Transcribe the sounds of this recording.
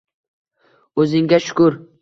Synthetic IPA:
ɵzɪŋɡʲaʃʊ̥kʊɾ

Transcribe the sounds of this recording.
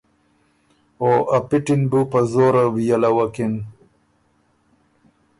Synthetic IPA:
oʔapiʈinbupazoɾawijalawakin

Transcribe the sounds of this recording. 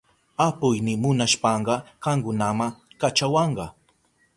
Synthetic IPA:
apʊjnɪmʊnaʃpɑɴɢɑɢ̥ɑŋkʊnamakat͡ʃawɑɴɢɑ

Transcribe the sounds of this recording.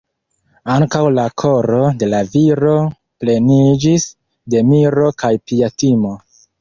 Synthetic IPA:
aŋkawlakʰo̞ɾo̞de̞laviɾo̞ | ple̞nid͡ʒis | de̞miɾo̞kajpiatimo̞

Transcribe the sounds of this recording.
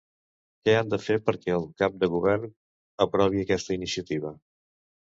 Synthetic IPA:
kɛand̪əfeɾpəɾkɛəlˠkap̚d̪əɣuβɛrn | əpɾɔβ̞iəkɛst̪əinisiət̪iβ̞ə

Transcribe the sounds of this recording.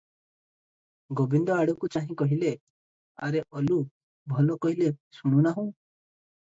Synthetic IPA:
ɡobind̪ɔaɽɔkut͡ʃaɦĩkɔɦile | a̰ɾeʔɔlu | bʱɔlɔkɔɦilesuɽ̃unaɦũ

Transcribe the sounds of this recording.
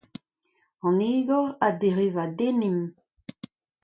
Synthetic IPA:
ɑ̃niːɡɔadeʁivadenim

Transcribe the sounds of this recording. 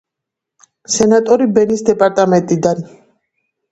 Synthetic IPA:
sɛnat̪ʼɔɾibɛnisd̪ɛpʼaɾt̪ʼamɛnt̪ʼid̪an

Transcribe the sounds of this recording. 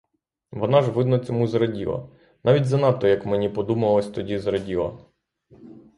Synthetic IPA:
ʋɔnɑʒʋɪd̪nɔt͡sʲɔmuzɾɐdʲilˠɐ̰ | nɑʋʲitʲzɐnɑt̪ːɔjɐkmenʲipɔd̪umɐlˠɔsʲt̪ɔdʲizɾɐdʲilˠɐ̰

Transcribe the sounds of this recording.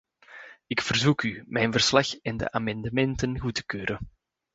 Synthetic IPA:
ɪkfərzukymɛjnvərslɑxɛndə̰ʔaːmɑndəmɛntənɣutə̥køːɾʔən

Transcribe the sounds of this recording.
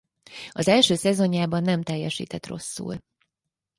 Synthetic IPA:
ɒzɛlʃøːsɛzo̞ɲjaːbɒnːɛmt̪ɛjːɛʃḭːt̪ɛt̪ro̞̰sːṵl

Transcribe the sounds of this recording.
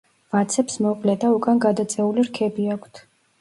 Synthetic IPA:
vat̪sʰɛpsmɔpʼlɛd̪aukʼanɡad̪at̪sʼɛuliɾkʰɛbiakʰt̪ʰ

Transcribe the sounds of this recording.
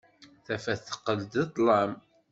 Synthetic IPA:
θæfæθə̥qːəld̪it̪ˤlɑm

